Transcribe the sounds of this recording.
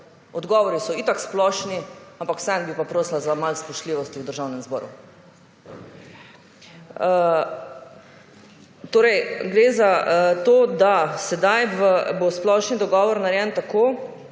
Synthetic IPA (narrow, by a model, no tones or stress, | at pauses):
ɔd̪ɡɔːʋɔɾisɔit̪aksplɔʃniampakw̥sɛnbipapɾoːslazamalspɔʃtliʋɔst̪iwd̪əɾʒawnɛmzbɔ̰ːɾṵ | t̪oːɾɛjɡɾezat̪oːd̪asɛd̪ajʋəbosplɔʃnid̪ɔɡɔːʋɔɾnaɾjɛnt̪akoː